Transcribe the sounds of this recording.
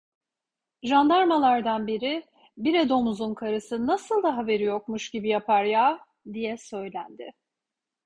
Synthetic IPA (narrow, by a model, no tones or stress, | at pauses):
ʒand̪aɾmalˠaɾd̪anbiɾɪ | biɾed̪o̞muzunkʰaɾɯsɯnasɯlˠd̪aɦabe̞ɾijo̞k̚muʃɟibijapʰaɾjaː | d̪ijɛsø̞jlʲænd̪ɪ